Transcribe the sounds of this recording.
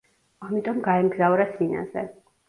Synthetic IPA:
amit̪ʼɔmɡaɛmɡzavɾasina̰zɛ̰

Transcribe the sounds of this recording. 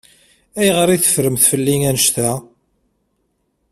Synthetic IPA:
æjʁəɾiθə̥fɾəmθfəlːiŋænəʃt̪æ

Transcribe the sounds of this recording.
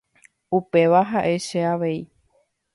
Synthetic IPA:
upe̞ʋaɦaʔe̞ʃeaʋe̞i

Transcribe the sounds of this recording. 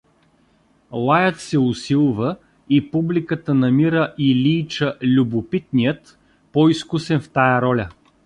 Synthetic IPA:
lˠajət̪sɛʊsilˠvə | ipublikət̪ənɐmiɾəʔilʲiːt͡ʃəlʲubʊpit̪̚nijət̪ | pɔiskusɛnft̪ajəɾɔlʲə

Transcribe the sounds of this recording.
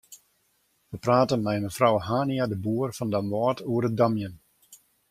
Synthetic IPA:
ʋəpraːtənmɛjməfrɔwɦaːniadəbuərfɔndamʋɔːtuəɾət̚damjən

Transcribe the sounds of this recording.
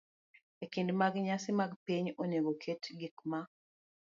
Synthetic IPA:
ekɪndmaɡɲasɪmaɡpiɲoneɡokʰetɡikma

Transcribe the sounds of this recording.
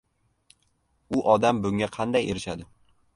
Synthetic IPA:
ʊʔɒd̪ambʊŋʲaqʰɑnd̪ajḛɾɪʃad̪ɪ

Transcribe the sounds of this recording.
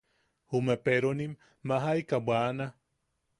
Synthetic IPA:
humepeɾonimː | aɦajkabwana

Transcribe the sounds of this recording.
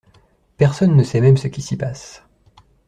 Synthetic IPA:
pɛʁsɔnːəsɛmɛmsəkʲisipas

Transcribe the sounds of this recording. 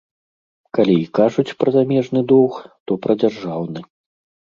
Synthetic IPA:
kalʲiːkaʐut͡sʲpɾɐzamʲɛʐnɨd̪ɔwxt̪ɔpɾʔɐd͡zʲarʐawnɨ

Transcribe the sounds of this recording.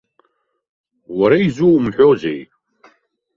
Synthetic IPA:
waɾaizuwmħʷᶣozḛj

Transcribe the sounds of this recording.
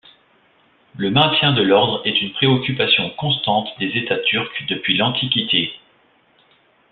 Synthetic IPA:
ləmɛ̃t̪ʲjɛ̃d̪əlɔʁd̪ʁɛt̪ynpχeɔkʲypasjɔ̃kɔ̃s̬t̪ɑ̃t̪d̪ezet̪at̪ʰyʁkd̪əpɥilɑ̃t̪ʰikʲit̪e

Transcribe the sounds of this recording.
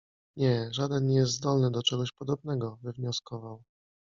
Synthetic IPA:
ɲɛʐad̪ɛnɲɛjɛst̪zd̪ɔlnɘd̪ɔt͡ʂɛɡɔɕpɔd̪ɔb̚nɛɡɔvɘvɲɔskɔvaw

